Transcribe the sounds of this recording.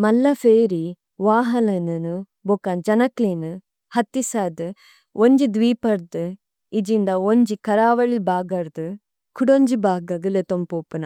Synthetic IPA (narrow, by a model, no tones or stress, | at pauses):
mɐlːɐfeːɾi | ʋaːɦɐlɐnɐnu | bokand͡ʒɐnɐklinɨ | hɐt̪ːisaːd̪ɨ | ʔoɲd͡ʒid̪ʋiːpɐɾd̪ɨ | id͡ʒind̪ɐoɲd͡ʒikɐɾaːʋɐɭibaːɡɐɾd̪ɨ | kʰuɽoɲd͡ʒibaːɡɐɡɯlet̪ompoːpunɐ